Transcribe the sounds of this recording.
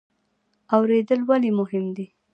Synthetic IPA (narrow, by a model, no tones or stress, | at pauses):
awɾed̪əlwalimʊhɪmd̪i